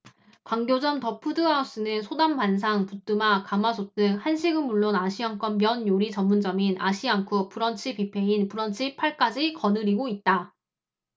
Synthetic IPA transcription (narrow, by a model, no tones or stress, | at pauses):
kwaŋɡjod͡ʑʌmtʌpʰɯdɯas͈ɯnɯnsʰodampans̬ʰaŋput͈ɯmakamasʰot͈ɯhanɕʰiɡɯnmuɭːonaɕʰiaŋk͈ʌmːjʌnjoɾit͡ɕʌmːund͡ʑʌminʔa̰ɕʰiaŋkʰɯp͈uɾʌnt͡ɕʰipipʰe̞inpuɾʌnt͡ɕʰipʰaɭk͈ad͡ʑikʌnɯɾiɡoit̚t͈a